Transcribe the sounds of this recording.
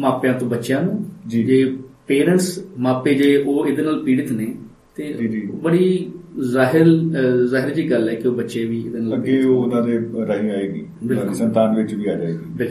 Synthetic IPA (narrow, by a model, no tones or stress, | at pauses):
maːpjãːt̪õːbətːʃɪjãːnũːd͡ʒiːd͡ʒeːpeːɾə̃ɳʈsmãːpeːd͡ʒeːoːɪd̪eːnaːlpiːɽət̪neː | t̪eːd͡ʒibəɽiːzaːɦɪɾzaːɦɪɾd͡ʒiːɡəlɛːkɪoːbətːʃeːʋiːɪd̪eːnaːləɡeːoːʊnãːd̪eːɾəɦĩːaːeːɡḭːbɪlkʊsənt̪aːnʋɪt͡ʃʋiːaːd͡ʒaːeːɡiːbɪlk